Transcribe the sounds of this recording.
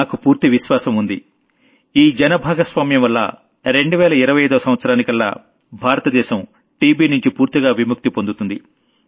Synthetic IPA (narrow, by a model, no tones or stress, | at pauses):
aːkupuːɾt̪iʋiʃʋaːsɐmund̪i | iːd͡ʒɐnɐbʱaːɡɐsʋaːmjɐmʋɐlːɐ̰ | ɾe̞ɳɖuʋɛːlɐiɾɐʋɐjɐjːd̪uɐsɐm̃ʋɐt̪sɐɾaːnikɐlːa̰ | bʱaːɾɐt̪ɐd̪ɛːʃɐm | ʈiːbiːnuɲt͡ʃipuːɾt̪iɡaːʋimuk̚t̪ipond̪ut̪und̪i